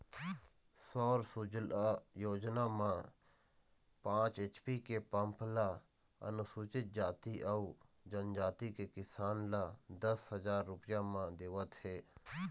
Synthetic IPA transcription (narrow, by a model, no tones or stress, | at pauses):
sɔːɾsud͡ʒljoːd͡ʒnamãː | pãːt͡ʃeːt͡ʃpikepəmpʰla | ə̰nʊsuːt͡ʃɪt̪̚d͡ʒaːt̪iʔəu | d͡ʒənd͡ʒaːt̪ikekɪsaːnlad̪əshəzaːɾːʊpɪjãmãd̪eːʋət̪heː